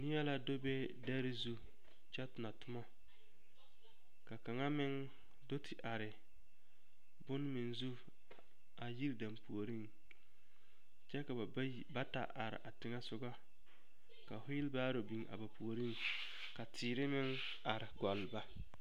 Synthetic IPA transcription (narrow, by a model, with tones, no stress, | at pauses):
nɪ˦ja˦la˨do˦be˦ | da˦ɾɪ˦zu˦ | d͡ʒɛ˦tʊ˨na˨tʊ˦ma˦ | ka˨ka˨ŋa˦mɪ˦ŋ | do˦tʰɪ˨ʔa˨ɾɪ˨ | bʊ˦n˦mɪ˨nzu˦ | a˨ji˦ɾda˨mpu˨o˨ɾi˦ŋ | t͡ʃɛ˦ka˨˦ | ba˦ta̰˨ʔa˨ɾɪ̰˨ʔa˨tɪ˨ŋa˦sʊ˦ɡa˦ | ka˨fʊ˦jɪ˦lbaː˦ɾo˨bi˨ŋʔa̰˨ba˨pu˨o˨ɾi˦ŋ | ka˨tʰɪː˨ɾɪ˦mɪ˦ŋ | a˨ɾɪ˨ɡɔ˨lba˦